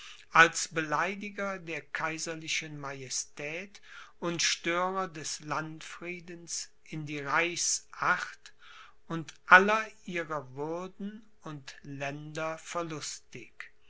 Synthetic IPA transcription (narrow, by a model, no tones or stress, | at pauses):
ʔalsb̥əlaɪdɪɡɐdeːɐkʰaɪzɐlɪʃənmajɛstʰɛːtʔʊntʃtøːʁɐdɛslantfʁ̥iːdəns | ʔɪndiːʁaɪsʔaχt | ʊntʔalɐʔiːʁɐvʊɐdn̩ | ʊntlɛndɐfɛɐlʊstɪk